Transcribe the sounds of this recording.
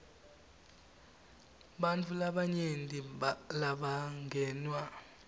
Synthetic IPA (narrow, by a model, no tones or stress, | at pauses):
ɓant͡fʰulaɓaɲentʼilaɓaŋɡʱɛːnwa